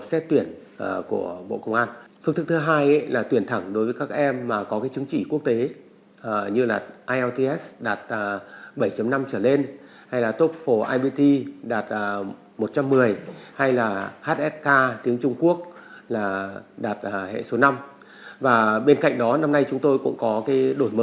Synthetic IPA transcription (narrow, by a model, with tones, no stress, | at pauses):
p̚sɛ˦˥t̚t̪wi˧˩ənʔku˧˩əɓo̰˧˨kə˧wŋ͡mʔaː˧nfɨ˧ŋt̪ʰɨ˦˥k̚t̪ɨ˨˦ɦaː˧jʔə˧˦jlaː˨˩t̪wi˧˩ənt̪ʰə˧˩ŋɗo˨˦jvəː˨˦jkaː˦˥k̚ʔɛ˧mːaː˨˩kɔ˨˦kaː˨˦jt͡ɕɨ˨˦ŋt͡ɕi˧˩ku˦˥ək̚t̪e˨˦˨ | ɲɨ˧la̰ː˨˩ʔaː˧jʔɛ˧wt̪i˧ʔɛ˦˥sɗaː˨˩t̚ːɓə˧˩jt͡ɕə˨˦ŋ͡mna˧mt͡ɕəː˧˩le˧n | ha˧jlaː˨˩t̪o˦˥p̚fo˧˩ʔaː˧jɓi˧t̪i˧ɗaː˨˩t̚ː | mo˨˩t̚t͡ɕa˧mːɨ˨˩əjha˧jlaː˨˩haː˦˥t̚ʔɛ˦˥t̚kaː˧t̪i˨˦əŋt͡ɕʊ˧ŋ͡mku˦˥ək̚laː˨˩ɗaː˨˩t̚ːhḛ˧˨so˨˦na˧m | vaː˨˩ɓe˧nka̰˧˨jŋ̟ɗɔ˨˦na˧mna˧jt͡ɕʊ˨˦ŋ͡mt̪o˧jkʊ̰˧˥ŋ͡mkɔ˨˦kaː˨˦jɗo˧˩jmə˨˦